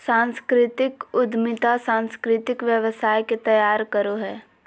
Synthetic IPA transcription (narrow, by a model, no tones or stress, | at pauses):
sãːnskɾɪt̪ɪkʊd̪mɪt̪asãːnskɾɪt̪ɪkʋjəʋəsaːjket̪ɐjaːɾkɐɾoɦɛː